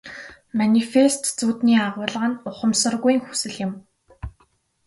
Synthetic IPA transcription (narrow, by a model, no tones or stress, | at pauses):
manʲifest̪t͡suːt̪niːaʁʊːɮʁə̆nʊχə̆msə̆rɣujŋxu̥sɘ̆ɮjɪ̆m